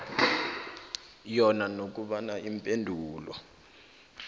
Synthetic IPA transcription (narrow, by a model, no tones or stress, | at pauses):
jɔnanok̬uɓanaimpʼendʱuːlɔ